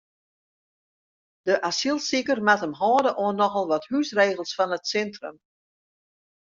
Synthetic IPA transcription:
d̥əʔasilˠsikərmatəmɦɔːdəʔoənːɔxɔlˠʋɔthysreːɣəlˠsfɔnətsɛntrə̰m

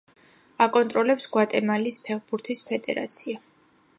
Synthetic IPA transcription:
akʼɔnt̪ʼɾɔlɛpsɡwat̪ʼɛmalispʰɛχbuɾt̪ʰispʰɛd̪ɛ̰ɾa̰t̪sʰia

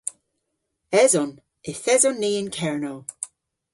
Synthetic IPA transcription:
ɛzɔn | ɪθɛzɔnːiːɪnkʰɛɹnow

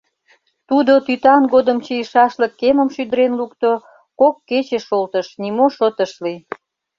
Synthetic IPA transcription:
t̪ud̪ot̪yt̪ɑnɡod̪əmt͡ɕijəʃɑʃləkːeməmʃyd̪əɾenlukt̪o | kokːet͡ɕeʃolt̪əʃnimoʃət̪əʃli

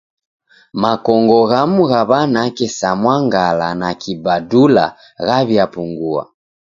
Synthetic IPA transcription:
makɔŋɡɔɣamuɣaβanakɛsamwaŋɡalanakibadula̰ | ɣaβjapuŋɡua̰

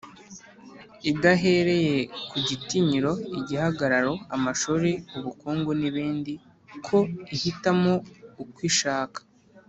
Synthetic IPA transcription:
idaɦe̞ɾe̞je̞kuɟitiɲiɾo̞iɟihaɡaɾaɾo̞amaʃuɾeuβukuːŋɡoniβiːndi | kʰo̞ihitamo̞ukwiːʃaːkḁ

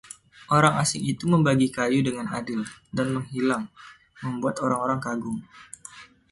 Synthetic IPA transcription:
ʔoɾaŋasɪŋit̪uməmbaɡikajudəŋanadɪldanməŋɦilaŋ | məmbuat̪oɾaŋoɾaŋkaɡʊŋ

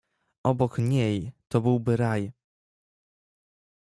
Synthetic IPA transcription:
ʔɔbɔkɲejt̪ɔbɘwbɘɾaj

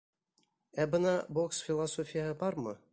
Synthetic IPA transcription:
æbɤ̆nɑboksfʲilˠasofʲijɑbɑrmɤ̰̆

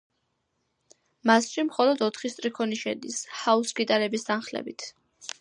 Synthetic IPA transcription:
masʃimχɔlˠɔd̪ɔt̪ʰχist̪ʼɾikʰɔniʃɛ̰d̪ishausɡit̪ʼaɾɛbist̪ʰanχlɛ̰bit̪ʰ

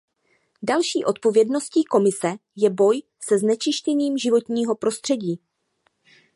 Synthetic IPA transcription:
dalʃiːʔo̞t̪̚po̞vjɛdno̞sciːko̞mɪsɛjɛbo̞j | sɛznɛt͡ʃɪʃcɛniːmʒɪvo̞t̪ɲiːɦo̞pɾo̞st̪r̝̥ɛɟiː

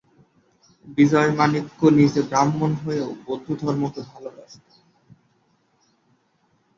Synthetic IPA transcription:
bid͡ʑɔemanikːonid͡ʑebɾamːonɦoeobod̪ʱud̪ʱɔɾmot̪obʱaloɾaʃt̪e

